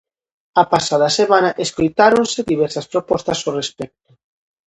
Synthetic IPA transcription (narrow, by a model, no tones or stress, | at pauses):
apasaðasemanaʔeskojt̪aɾonseðiβ̞ɛɾsaspɾopɔst̪ɐsorespɛk̚t̪ʊ̥